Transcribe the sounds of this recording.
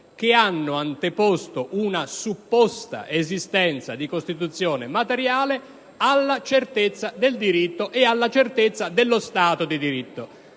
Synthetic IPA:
k̟ɪanːʊant̪epɔst̪oʔunasupːɔst̪a̰ʔezist̪ɛnt̪sa̰d̪ikost̪it̪ut̪sːjɔːnemat̪eɾjaːle | alːat͡ʃert̪et̪sːad̪eld̪iɾit̪ːoʔealːat͡ʃert̪et̪sːad̪ɪlːost̪aːt̪od̪id̪iɾit̪ːo

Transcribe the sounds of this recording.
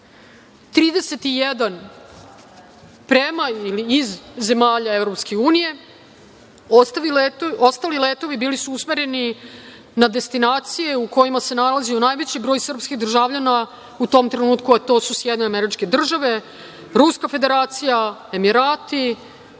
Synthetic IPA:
t̪ɾiːd̪ese̞t̪ijed̪an | pɾemailiːzːe̞maːʎaevɾo̞pske̞uːnije̞ | ost̪ailet̪o̞st̪alilet̪o̞ʋibiːlisuusme̞ɾe̞ni | nad̪e̞st̪inaːt̪sije̞uko̞jimase̞nalazionaːjʋet͡ɕibɾo̞ːjsr̩pskid̪r̩ʒavʎana | ut̪o̞ːmt̪ɾenuːt̪kuat̪o̞ːsusjɛd̪neameɾit͡ʃke̞d̪r̩ʒaʋe̞ | ɾuskafe̞d̪e̞ɾaːt̪sijae̞miɾaːt̪i

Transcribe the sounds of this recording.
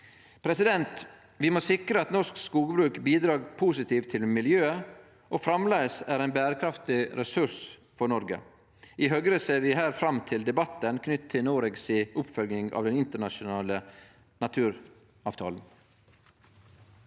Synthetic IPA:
pʰɾɛsɪd̪ɛnt̪ | ʋɪmoːsɪkɾəɑt̪nɔʂkskuːɡəbɾʉːkbiːd̪ɾɑːɾpʰuːsɪt̪ʰiːʋt̪ʰːɪlmɪljøːə | ʔoːfɾɑmlæːəsæɾæɪnbæːɾəkʰɾɑft̪ɪɾɛsʉʂ | fɔɳɔɾɡə̰ | ɪɦœɡɾəseːɾʋɪːɦæːɾfɾɑmt̪ʰɪld̪ɛbɑt̪ːənkʰnʏt̪ʰːɪlnoːɾeɡsɪʔʊpfœlɡ̪ɪŋɑ̰ʋd̪ɛnɪnt̪əɳɑʃʊnɑːlə | nɑt̪ʰʉːɾ | ɑːʋt̪ʰɑːln̩

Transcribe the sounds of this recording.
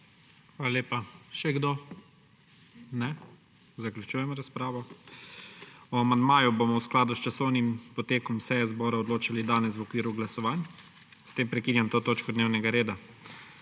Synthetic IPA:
xʋaːlaleːpaʃɛɡd̪o | nɛ | zaklʲjut͡ʃuːjɛmɾaspɾaːʋɔ | ɔamand̪maːjubomɔwsklaːd̪ust͡ʃasɔwnimpɔt̪eːkɔmsɛjɛzbɔːɾaɔd̪loːt͡ʃalid̪aːnɛs̬wɔkʋiːɾuɡlasɔʋaːn | st̪eːmpɾɛkiːnjamt̪oːt̪oːt͡ʃkɔd̪neːwnɛɡaɾeːd̪a

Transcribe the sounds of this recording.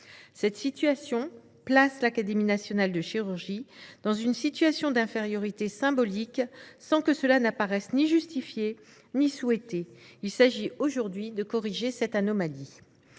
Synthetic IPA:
sɛt̪sit̪ɥasjɔ̃ | plaslakad̪eminasjɔnald̪əʃiʁyʁʒid̪̥ɑ̃zynsit̪ɥasjɔ̃d̪ɛ̃feʁjɔʁit̪esɛ̃bɔliksɑ̃kəsəlanapaʁɛsniʒyst̪ifje | niswɛt̪eilsaʒioʒuʁd̪ɥid̪əkɔʁiʒesɛt̪anɔmali

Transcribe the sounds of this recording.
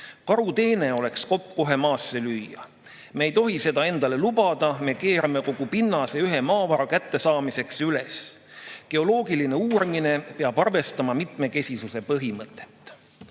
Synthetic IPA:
kɑɾut̪e̞ːne̞o̞le̞ksko̞pːˑko̞ɦe̞mɑːsːe̞lyːjɑ̰ | meːjt̪o̞ɦise̞d̪̥ɑe̞nd̪̥ɑle̞lubɑd̪̥ɑme̞ke̞ːɾɑme̞ko̞ɡ̥upinːɑseyɦe̞mɑːvɑɾɑkæt̪ːe̞sɑːmise̞ksyle̞s | ke̞o̞lo̞ːɡiline̞uːɾmine̞peɑb̥ɑrve̞st̪ɑmɑmit̪me̞ke̞sʲisuse̞pɤɦimɤt̪ˑːe̞̥t̪ːˑ

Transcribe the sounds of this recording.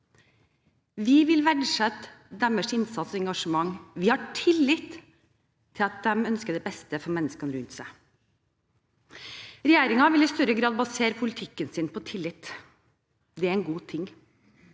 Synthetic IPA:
ʋɪʋɪlʋæɖʂɛt̪ːd̪æməʂɪnsɑt̪sɔɛŋɡɑʂəmɑŋːʋɪhɑʈʰɪlːɪt̪ʰː | ɪlɑt̪̚d̪ɛmœnskəd̪ɛbɛst̪əfɔɾmɛnːəskɑnɾʉnt̪sæɪ | ɾɛjeːɾɪŋɑʋɪlɪst̪œɾəɡɾɑːd̪̚bɑseːɾəpʰʊlɪt̪ʰɪkːənsɪnpʰɔt̪ʰɪlːɪt̪ː | d̪ɛæɾɛnɡuːt̪ʰɪŋ

